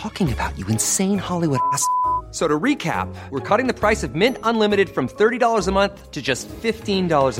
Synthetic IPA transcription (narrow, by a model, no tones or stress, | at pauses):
ɔkɪ̃ŋɨbaʊt͡ʃɨɨ̃nsẽɪ̃nhɑlˠiwʊɾæssoʊɾəɹikʰæ̰p̚wəɹkʰʌɾɪ̃ŋðɨpʰɹ̥aɪsʌvmɪ̃ntə̃nlɪ̃mɨɾɨd̥fɹʌ̃mθɜ˞ɾiɾɔlˠə˞zəmʌ̃nθtʰɨd͡ʒʌstfɪftĩndɔlˠə˞z